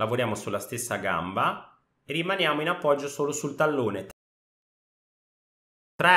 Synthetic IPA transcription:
lavoɾjaːmosulːast̪esːaɡa̰mba | erːimanjaːmoinapːɔd͡ʒːosoːlosult̪alːoːnet̪ | t̪ɾɛ

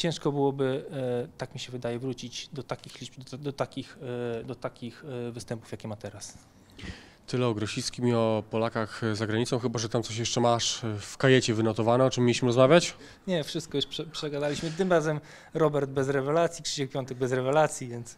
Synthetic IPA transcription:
t͡ɕɛ̃w̃ʂkɔbɘwɔbɘt̪akmʲiɕɛvɘd̪ajɛvɾut͡ɕid͡ʑd̪ɔt̪akʲixlʲibd̪d̪ɔt̪akʲixd̪ɔt̪akʲixvɘst̪ɛmpu̥fjakʲɛmat̪ɛɾas | t̪ɘlɛɔɡɾɔɕiskʲimʲiɔpɔlakaxzaɡɾaɲit̪sɔ̃w̃xɘbaʐɛt̪amt̪sɔɕ̬jɛʂt͡ʂɛmaʂfkajɛt͡ɕɛvɘnɔt̪ɔvanɛɔt͡ʂɘmːjelʲiɕmɘɾɔzmavʲjat͡ɕ | ɲɛfʂɨst̪̚kɔjuʂpʂɛpʂɛɡad̪alʲiɕmɘt̪ɘmɾazɛm | ɾɔbɛɾd̪̚bɛzɾɛvɛlat̪sʲjitʂɛd͡ʑɛxpʲjɔnt̪ɛɡ̚bɛzɾɛvɛlat̪sʲjivʲjɛnt̪s

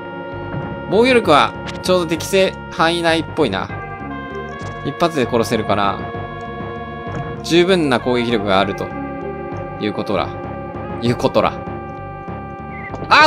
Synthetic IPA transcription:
bo̞ːɡʲoɾʲo̞kɯ̟βa | t͡ɕo̞ːd̪ot̪e̞kʲi̥se̞ː | hãinaipːo̞ina̰ | ipːat͡sɨd̪e̞ko̞ɾo̞se̞ɾɯ̟kaɾa̰ | d͡ʑɨːbɯ̟̃nːakoːɡekʲiɾʲjo̞kɯ̟ɡaːɾɯ̟t̪o̞ | jɯ̟ːko̞t̪o̞ɾa̰ | jɯ̟ːko̞t̪o̞ɾa̰ | a

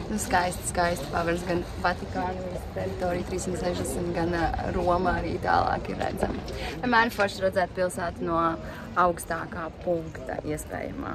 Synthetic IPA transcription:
nuskajst̪skajst̪paʋɛɾsɡan | vat̪ikaːnvist̪ʲɛɾit̪oːɾijt̪ɾiːsimt̪sɛʒd̪ɛsmt̪ɡanɾuɔmaaɾiːt̪a̰ːlˠɑ̰ːkiɾːæ̰d̪za̰mɛmæːnfɔɾʃɾad̪zɛːt̪̚pilˠsæːt̪nuɔ | awkst̪aːkaːpuŋkt̪a̰iɛspɛ̰ːja̰ma̰ː

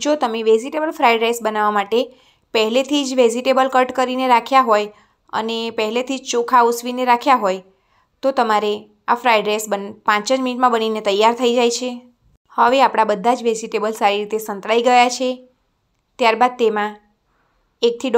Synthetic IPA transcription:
d͡ʒot̪əmeʋed͡ʒiʈebəlfɾaiɖɾesbənaʋamaʈe | pəɦɛlet̪ʰid͡ʒʋed͡ʒiʈebəlkəɾʈkəɾineɾakʰjaɦoj | ə̰nepəɦɛlet̪ʰid͡ʒt͡ʃokʰausʋineɾakʰjaɦoj | t̪ot̪əmaɾe | afɾajɖɾesbənpãt͡ʃə̃d͡ʒminiʈmãbəninet̪əjːaɾt̪ʰəid͡ʒajt͡ʃʰe | həʋeapɽ̃abəd̪ʱːad͡ʒʋed͡ʒiʈebəlsaɾiɾit̪esə̃nt̪ɾaiɡəjat͡ʃʰe | t̪jaɾbad̪̚t̪emã | ek̚t̪ʰi

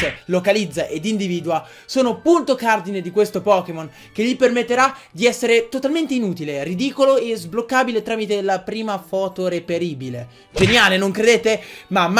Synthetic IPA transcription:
elokalid̪zːaʔed̪ind̪iviːd̪ua | soːnopunt̪okard̪ined̪ikwest̪opɔːkemon | keʎːipermet̪ːeɾad̪iɛsːeɾet̪ot̪alment̪einuːt̪ilerid̪iːkoloezblokːaːbilet̪ɾaːmit̪elapɾiːmafɔːt̪oɾepeɾiːbile | d͡ʒenjaːlenoŋkɾed̪eːt̪emam

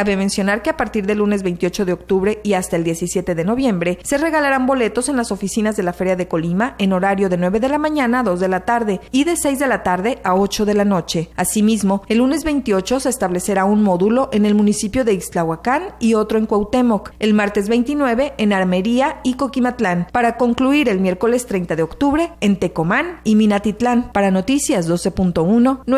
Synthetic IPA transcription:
aβeme̞nsjo̞naɾke̞apaɾt̪iɾðe̞lːune̞zβe̞jnt̪jo̞t͡ʃo̞ð̞eo̞k̚t̪uβɾe̞ʔiast̪aeld̪je̞sisje̞t̪e̞ðe̞no̞βje̞mbɾe̞se̞re̞ɣalaɾambo̞le̞t̪o̞se̞nlaso̞fisinazðe̞lafe̞ɾjaðe̞ko̞limaʔe̞no̞ɾaɾjo̞ðe̞nweβe̞ðe̞lamãɲãnaːðo̞zðe̞lat̪aɾðe̞iðe̞se̞jzðe̞lat̪aɾðe̞ao̞t͡ʃo̞ðe̞lano̞t͡ʃe̞asimizmo̞e̞lːune̞zβe̞jnt̪io̞t͡ʃo̞se̞ːst̪aβle̞se̞ɾaunmo̞ðulo̞ʔe̞ne̞lmũnisipjo̞ðe̞islawakanio̞t̪ɾo̞e̞ŋkwawt̪e̞mo̞ke̞lmaɾt̪e̞zβe̞jnt̪inwe̞βe̞ʔenaɾme̞ɾiaiko̞kimat̪lanpaɾako̞ŋkluiɾe̞lmje̞ɾko̞le̞st̪ɾe̞jnt̪aðe̞okt̪uβɾe̞ːnt̪e̞ko̞maniminat̪it̪lanpaɾano̞t̪isjazðo̞se̞punt̪o̞uno̞n

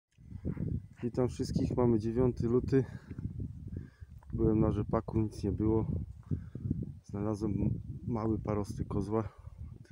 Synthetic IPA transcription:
vʲit̪amfʂɘst̪̚kʲixmamɘd͡ʑevʲjɔnt̪ɘlut̪ɘ | bɘwɛmnaʐɛpakuɲit̪sɲɛbɘwɔ | z̥nalazwɛmːawɘpaɾɔst̪ɘkɔzwa

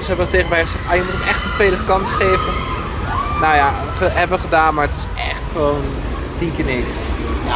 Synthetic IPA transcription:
sɦɛbəəteχənʋɛjχəzɛχɛjndərəkɛχtəntʋejdəkɑnsχeːvə | nowja | χəɦɛbəʋəχədaːnmaːɹətɪ̥s | ɛ̰χtχəʋown | tiŋkənɪksja

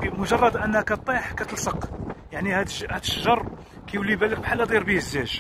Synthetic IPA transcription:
mʊʒɑrˤːɑd̪ʔənːhækæt̪ˤːeħkæt̪əlsəqjaʕnihæd̪ʃhæd̪əʃʒɑrˤ | kæjwlːibælək̚bħalːæd̪ˤiɾbihəzːæʒ

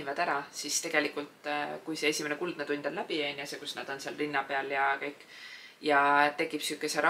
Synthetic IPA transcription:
ivɑd̪̥æɾɑsist̪e̞ɡ̥e̞likult̪ˑkujse̞esʲime̞nekuld̪̥̚ned̪unʲd̪̥ɑllæb̥ienjɑsekusnæ̰d̪̥o̞nseɑlrinːɑpeɑljɑkɤjkːˑ | jɑt̪e̞kːˑipsykːˑeseɾɑ

